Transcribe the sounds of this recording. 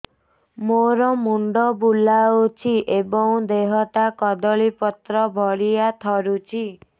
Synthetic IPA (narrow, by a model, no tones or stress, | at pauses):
moɾɔmuɳɖɔbulaot͡ʃʰiʔebɔŋd̪eɦɔʈakɔd̪ɔɭipɔt̪ɾɔbʱɔɽiat̪ʰɔɾut͡ʃʰi